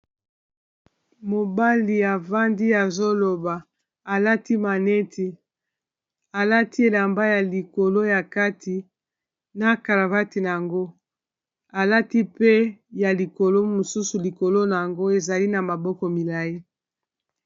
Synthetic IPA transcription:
mo˨ba˦li˨a˨va˦ndi˦a˨zo˦lo˨ba˨ | a˨la˦ti˦ma˨nɛ˦tʰi˨ | a˨la˦ti˦e˨la˨mba˦ja˨li˨ko˨lo˦ja˨ka˦tʰi˨ | na˨ka˨la˨va˦ti˨na˨a˨ŋɡo˦ | a˨la˦ti˦pe˦ja˨li˨ko˨lo˦mo˨su˦su˨li˨ko˨lo˦na˨a˨ŋɡo˦e˨za˨li˦na˨ma˨bɔ˦kɔ˨mi˨la˨i˦

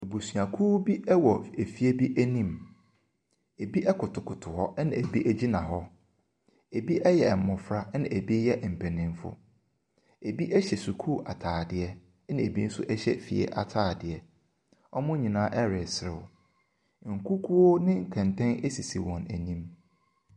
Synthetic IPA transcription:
e˨bu˨sɥa˨kʰu˦bi˦ɛ˦wɔ˨e˨fi˦e˦bi˦ʔæ˦nĩ˦m | e˨bi˦ʔɛ˦kʰʊ˨tʰʊ˨kʰʊ˨tʰʊ˨hɔ˦nã˨e˨bi˦ʔæ˦d͡ʑi˦nã˨ɦɔ˦ | e˨bi˦ʔɛ˦jɛ˨m˨mʊ̃˨fɾa˦nã˨ʔe˨bi˦jɛ˦ʔm̩˨pʰɛ˨nɪ̃˨m˦fʊ̰˦ | e˨bi˦ʔɛ˦ɕɛ˨su˨kʰu˦˨ʔa˨tʰaː˨dɪ˨ɛ˦ | nã˨e˨bi˦n̩˦sʊ̰˦ʔɛ˦ɕɛ̰˦fḭ˨ɛ̰˦ʔa˨tʰaː˦˨dɪ˨ɛ˨ | ɔ˦mʊ̃˦ɲĩ˨nãː˦ʔɛ˦ɾɪ˨sɪ˦ɾɪ̰˨w | ŋ̩˨kʰu˦kʰu˦o˦nɪ̃˦ŋ̩˨kʰɛ̃˨ntʰɛ̃˦ne˦si˨si˨wɔ̃˨næ̰˨nĩ˦m

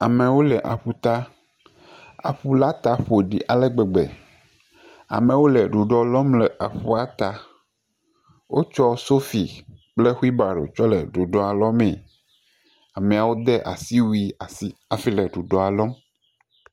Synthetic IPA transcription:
a˨mɛ̃˨wo˦lɛ˨ʔa̰˨ɸu˦t̪a˦ | a̰˨ɸu˦la˦t̪a˨ɸo˨ɖi˨ʔa˨lɛ˦ɡ͡bɛ˨ɡ͡bɛ̰˨ | a̰˨mɛ̃˨wo˦lɛ˨ɖu˨ɖɔ˨lɔ˦mlɛ˨a˨ɸu˦a˦t̪a˨ | wo˦t͡ʃɔ˦so˦fi˨k͡ple˦xu˦i˦ba˨ɖo̰˨t͡ʃɔ˦lɛ̰˨ɖu˨ɖɔ˨a˨lɔ˦mɛ̃˨ | a˨mɛ̃˨a˨wo˦d̪ɛ˦ʔa̰˨si˦wi˦a˨si˦a˨fi˦lɛ˨ɖu˨ɖɔ˨a˨lɔ˦m

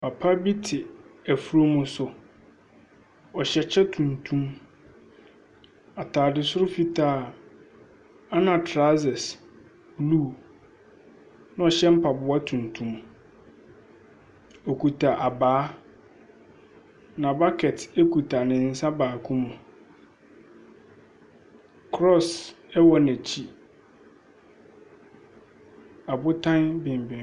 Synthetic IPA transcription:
pʰa˨pʰa˦bi˦tʰɪ˨æ˨fu˨ɾo˦mʊ̃˨sʊ˨ | ɔ˨ɕɛ˦t͡ɕʰɛ˦tʰũ˨ntʰũ˦m | a˨tʰaː˨dɪ˨sʊ˦ɾʊ˦fi˦tʰaː˦˨ | a˦nã˨tʰɾa˦zɛ˨s | blu˦˨ | nã˦ɔ˨ɕɛ˦m̩˦pʰa˨bʊ˦a˦tʰũ˨ntʰũ˨m | ɔ˨kʰu˨tʰa˨ʔa˨baː˨˦ | nã˨ba˦kʰɛ˨te˦kʰu˨tʰa˨nɪ̃˨n̩˦sã˦baː˨kʰũ˦mũ˨ | kʰɾɔ˦˨sɛ˦wɔ˦nɛ̃˨t͡ɕʰi˦ | a˨bʊ˦tʰã˦nbɪ̃˨m˨bɪ̃˨

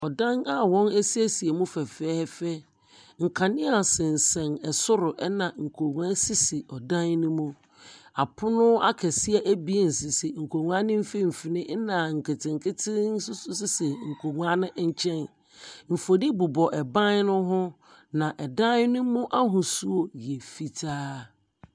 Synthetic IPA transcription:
ɔ˨dã˦na˦wɔ̃˦ne˦si˦e˦si˨e˨mũ˦fɛ˨fɛ˦fɛ˦ | ŋ̩˨kʰã˨nɪ̃˦a˨sɪ̃˨n̩˨sɛ̃˨nɛ˨sʊ˦ɾʊ˨ʔɛ˦nã˨ŋ̩˨kʰo˨ŋu˨ã˦si˦sɪ˨ɔ˨dã˦nnʊ̃˦mũ˦ | a˨pʰʊ˦nʊ̃˦a˦kʰɛ˨sɪ˦ɛ˦ʔæ˦bi˨e˨n̩˨sɪ˨sɪ˨ŋ̩˨kʰo˨ŋ˨ã˦nɪ̃˦m̩˦fi˦m̩˨fi˨nɪ̃˦nã˨ŋ̩˨kʰɪ˨tʰɪ̃˨ŋ˨kʰɪ˦tʰɪ˦n̩˦sʊ˦sʊ˦sɪ˦sɪ˨ŋ̩˨kʰo˨ŋʷ˨a˦nɪ̃˦ɲ̩˦t͡ɕʰɛ̃˦n | m̩˨fo˨nɪ̃˦bʊ˨bɔ˨ʔɛ˨bã˦n˦nʊ̃˦ɦʊ̃˦ | nã˨ʔɛ˨dã˦n˦nʊ̃˦mʊ̃˦ʔa˦ɦʊ̃˨su˦o˨jɛ˨fi˦tʰaː˦

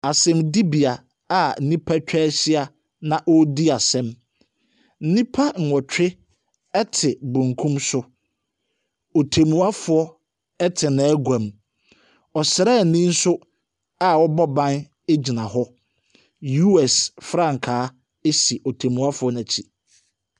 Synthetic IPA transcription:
a˨sɛ̃˦mdi˦bi˨a˨ | a˨n̩˦nĩ˦pʰa˦t͡ɕᶣɛː˦ɕɪ˦a˨ | nã˨ʔɔ˦di˦a˨sɛ̃˦m | n̩˦nĩ˦pʰa˦ŋ̩˨wɔ˨t͡ɕᶣɪ˦ | ɛ˦tʰɪ˨bũ˨ŋ˨kʰũ˦msʊ˦ | o˨tʰe˨mũ˨˦a˦fʊ˨ɔ˦ | ɛ˦tʰɪ˨nã˨˦ɡʷã˨m | ɔ˨sɪ˨ɾɛ˦˨nĩ˦n̩˦sʊ˦ | a˨wɔ˦bɔ˦bã˦n | e˦d͡ʑi˨nã˨ɦɔ˦ | ju˦ɛ˨sfɾã˦˨ŋ̩˨kʰaː˨˦ | e˦si˨ʔo˨tʰe˨mũ˨a˦fʊ˨˦ɔ˦nã˨t͡ɕʰi˨

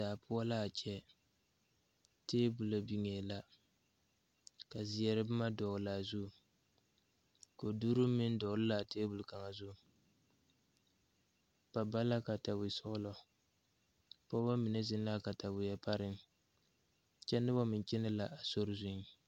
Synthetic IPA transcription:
daː˨pʰʊ˦a˦la˦˨t͡ʃɛ˦ | teː˦bu˨la˨bi˨ŋe˨la˦ | ka˨zɪ˨jɛ˨ɾɨ˦bɨ˦ma˦dɔ˨la˨zu˦˨ | ko˨duː˦ɾʊ˦mɪ˦n˦dɔ˨˦lɨ˦la˨teː˦bu˨lka˨ŋa˨zu˦˨ | pa˨ba˦la˦ka˨ta˨wɪ˨sʊ˦ʊ˦lɔ˨ | pɔ˦ba˦mi˨nɛ˦zɪ˦n˦la˦ka˨ta˨wɪ˨jɛ˦pa˦ɾɪ˦ŋ | t͡ʃɛ˦nɨ˦bɔ˦mɪ˨nt͡ʃɛ˦nɨ˦la˨ʔa˨so˦ɾʊ˦zʊ˦n˦

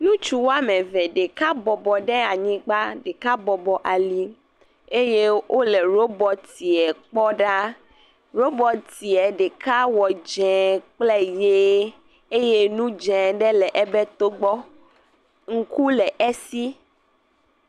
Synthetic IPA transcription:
nũ˦t͡ʃu˦wa˦mɛ̃˨vɛ̃˨ɖe˨ka˦bɔ˨bɔ˨ɖɛ˦a˨ɲĩ˦ɡ͡ba˦ɖe˨ka˦bɔ˨bɔ˨ʔa˨li˦ | e˦je˦wʔo˦lɛ˨ɾo˦bɔ˨t̪i˨ɛ˨k͡pɔ˦ɖa˦ | ɾo˦bɔ˨t̪i˨ɛ˨ɖe˨ka˦wɔ˨d͡ʒɛ̃˨k͡plɛ˦je˦ | e˦je˦nũ˦d͡ʒɛ̃˨ɖɛ˦lɛ˨ʔɛ˨bɛ˦t̪o˦ɡ͡bɔ˦ | ŋ̩˦ku˦lɛ˨ʔɛ˦si˦

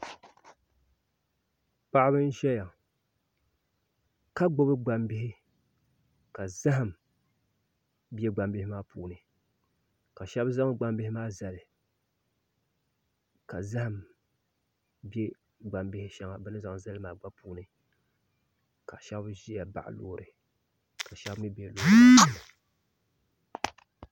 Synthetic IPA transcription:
pa˦ʔa˦bɨ˦n˦ʒɛ˦ja˨ | ka˦ɡ͡bo˦bɨ˦ɡ͡ba˨mbɪ˦hɪ˦ | ka˨za˦ɦa˨m | bɛ˦ɡ͡ba˨mbɪ˦hɪ˦maː˦puː˨nɨ˨ | ka˨ʃɛ˦bza˦ŋ˦ɡ͡ba˦m˦bɪ˦hɪ˦maː˦za˨lɨ˨ | ka˨za˦ha˨m | bɛ˦ | ɡ͡ba˨mbɪ˦hɪ˦ʃɛ˦ŋa˨bɨ˦nɨ˦za˨ŋ˨za˦lɨ˦maː˨ɡ͡ba˦puː˦nɨ˨ | ka˨ʃɛ˦bʒi˦ja˨ba˨ʔlo̰ː˨˦˨ɾɨ˨ | ka˨ʃɛ˦bmi˦bɛ˨lo˨˦˨

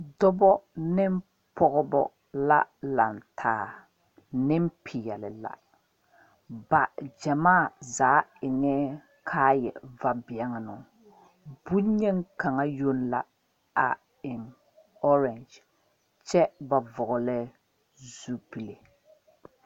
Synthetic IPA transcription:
dɔ˦bɔ˦nɪ˦m˦ | pɔ˦ɣɔ˦bɔ̰˦ | la̰˦la˨ntʰaː˨˦ | nɪ˦m̩˦pʰi˨jɛ˨lɪ˨la̰˨ | ba˨d͡ʒa˨maː˦˨zaː˨˦ɪ˨nɛ˦ | kʰaː˦jɛ̰˨va˦bɪ˨ɛ˦ŋa˨nʊ˨ | bu˦ɲɛ˦ŋ˦ka˨ŋa˦jo˦n˦la˨ | a˨ | ɪ˨m | ɔ˦ɾɛ˨nd͡ʒ | t͡ʃɛ˦ba˨vʊ˨ɣʊ˨lɛ˦ | zu˦pi˨le˨

